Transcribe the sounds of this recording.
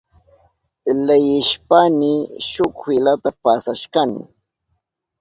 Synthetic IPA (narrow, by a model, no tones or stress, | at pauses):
lajɪʃpaniʃʊkfɪlat̪apasaʃkanɪ̰